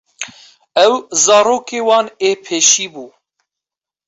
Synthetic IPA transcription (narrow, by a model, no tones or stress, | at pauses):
ɛwzɑːɾoːkeːwɑːneːpʰeːʃiːbuː